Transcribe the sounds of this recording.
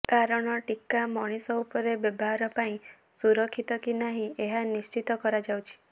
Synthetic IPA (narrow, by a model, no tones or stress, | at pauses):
kaɾɔɽ̃ɔʈikamɔɽ̃isɔupɔɾebjɔbɔɦaɾɔpaĩ | suɾɔkʰːit̪ɔkinaɦĩeɦanist͡ʃit̪ɔkɔɾad͡ʒawt͡ʃʰi̥